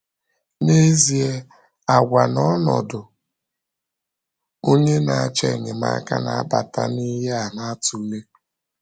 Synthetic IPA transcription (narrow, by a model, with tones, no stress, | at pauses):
ne˦zi˨e˦ | a˨ɡʷa˨nɔ˦nɔ̰˨dʊ˨ | o˦ɲe˦na˨a˨t͡ʃe˨ɲɪ˨ma̰˦ka̰˦na˨a˦ba˨ta˦ni˦ɦe˦a˨na˦a˦tu˨˦le˦